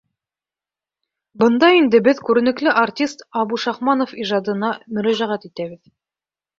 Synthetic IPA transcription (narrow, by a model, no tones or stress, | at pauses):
bɤ̆nd̪ɑind̪ɘbɘðkʉɾɘ̆nɘ̆klɘʔartʲist̪ɑβuʃɑχmɑnofiʒɑd̪ɤ̆nɑmɵ̆ɾæʒæʁæt̪it̪æβɘð